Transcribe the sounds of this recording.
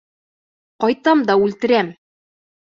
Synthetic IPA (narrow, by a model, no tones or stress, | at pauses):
qɒjt̪ɑmd̪ɒʉlt̪ɘ̆ɾæm